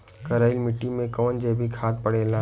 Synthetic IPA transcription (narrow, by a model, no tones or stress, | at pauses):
kəɾaːɪlmɪʈːimẽkɔːnd͡ʒeːbʱikʰaːt̪̚pəɽeːlã